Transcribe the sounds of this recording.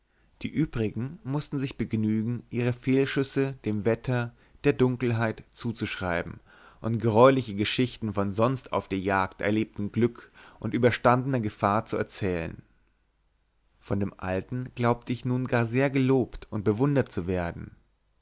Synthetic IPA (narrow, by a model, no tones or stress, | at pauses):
d̥ḭːʔyːbʁɪɡŋ̩mʊstn̩zɪçb̥əɡnyːɡŋ̩ʔiːʁ̞əfeːlʃʏsəd̥eːmvɛtʰɐ | d̥eːɐdʊŋkl̩ɦaɪtt͡suːt͡suʃʁ̥aɪbm̩ | ʔʊntɡ̥əʁɔʏlɪçəɡəʃɪçtn̩fɔnzɔnsta̰ʊfd̥eːɐjaːktʔɛ̰ɐleːp̚tn̩ɡlʏkʔʊntʔyːbɐʃtandənɐɡəfaːɐt͡suɛɐt͡sɛːlə̰n | fɔndeːmʔa̰ltn̩ɡ̥laʊp̚tʰəɪçnuːnɡaːɐzeːɐɡəloːptʊnt̚b̥əvʊndɐtt͡suveːɐdn̩